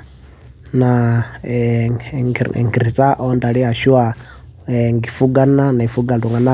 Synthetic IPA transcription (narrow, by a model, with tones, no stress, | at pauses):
na˨ | ŋɡi˨ɾi˨ta˦ʔo˦nda˨ɾi˦a˨ʃu˦wa˨ | e˨ŋɡi˨fu˦ɡa˦nːa˦na˨i˨fu˦ɡa˨ldu˨ŋɡa˨na˦